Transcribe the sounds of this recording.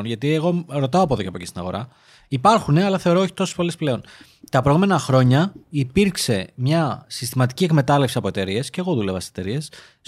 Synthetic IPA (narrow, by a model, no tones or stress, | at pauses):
nʝɐt̪ie̞ɣo̞ɾo̞t̪ɐoɐpoðo̞ceɐpo̞cist̪inɐɣo̞̰ɾɐ | ipɐɾxune̞ɐlɐθe̞o̞ɾooçi̥t̪o̞so̥spo̞lesple̞o̞n | t̪ɐpɾoɣume̞nɐxɾo̞ɲɐipiɾkse̞mɲɐsist̪imɐt̪i̥cie̞kme̞t̪ɐlefsiɐpoe̞t̪e̞ɾie̞sceɣo̞ðulevɐsset̪e̞ɾie̞s